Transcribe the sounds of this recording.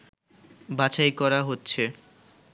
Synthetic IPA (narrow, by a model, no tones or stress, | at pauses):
bat͡ɕajkɔɾaɦotːɕʰe